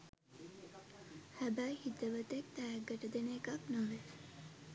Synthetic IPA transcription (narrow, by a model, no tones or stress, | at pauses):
hæbæjhit̪əʋət̪ek̚t̪æjəɡːəʈəd̪enekaknoʋe